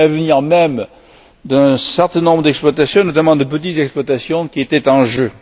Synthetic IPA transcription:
avəniʁmɛm | d̪ɛ̃sɛʁt̪ɛ̃nɔ̃mbʁəd̪ɛksplwat̪asjɔ̃nɔt̪amɑ̃d̪əp̬ət̪it̪zɛksplwat̪asjɔ̃kʲiet̪ɛt̪ɑ̃ʒø

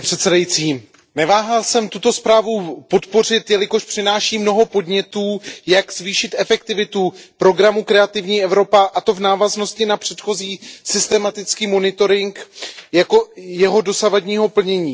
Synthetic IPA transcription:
pr̥ɛt̪sɛdajit͡siː | nɛvaːɦalsɛmt̪ut̪o̞spɾaːvupo̞t̪po̞r̝ɪt̪jɛlɪko̞ʃpr̝̥ɪnaːʃiːmno̞ɦo̞po̞dɲɛt̪uːjaɡz̥viːʃɪt̪ɛfɛk̚t̪ɪvɪt̪upɾo̞ɡɾamukɾɛat̪ɪvɲiːʔɛvɾo̞paʔat̪o̞vnaːvazno̞scɪnapr̝̥ɛt̪xo̞ziːsɪst̪ɛmat̪ɪt͡skiːmo̞nɪt̪o̞ɾɪŋkjako̞jɛɦo̞do̞savadɲiːɦo̞pl̩ɲɛɲiː

